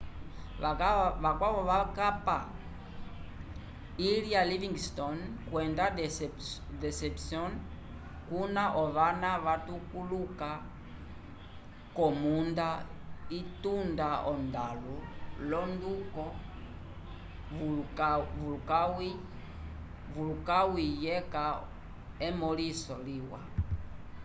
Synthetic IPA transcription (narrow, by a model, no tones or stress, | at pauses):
aavakwaβɔβakapa | ilialiviŋɡstɔnkwɛndad | dɛsɛpsjɔn | kunaʔɔβanaβatukuluka | kɔmund̪aitundaʔɔnd̪alulɔndukɔ | vulukawi | vulukawijɛka | ɛmɔlisɔliwa̰